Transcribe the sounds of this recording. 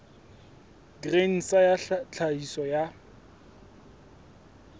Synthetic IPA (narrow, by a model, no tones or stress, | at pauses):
ɡren̩sajat͡ɬʰaisɔja